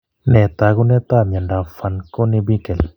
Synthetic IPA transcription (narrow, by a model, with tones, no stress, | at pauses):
nɛ˨t̪a˨ɡu˦nɛ˦t̪a˦ma˨ɳɖa˨fa˨nko˦ne˧bi˦kɛ˨l